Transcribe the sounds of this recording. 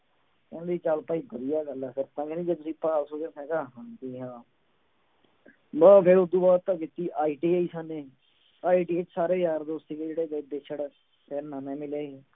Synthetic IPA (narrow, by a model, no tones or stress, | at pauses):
kɛ̃ːnd̪iːt͡ʃalpaːiːbəd̪ijaːɡəlːapʰɪɾsãːkeːnĩːd͡ʒeːt̪ʊsĩːpaːlsoːd̪eːmɛ̃ːkaːɦãk̪iːɦãː | baːkeːʊd̪ũːbaːt̪t̪ːãːkiːt̪iːʔaːiːʈiːaiːsaːnẽː | aːiːʈiːet͡ʃsaːɾeːjaːɾd̪oːst̪iːkeːd͡ʒeːɽeːkeb̪eːt͡ʃʰəɽ | sɛːɾnãːmɛ̃ːmɪlaːiː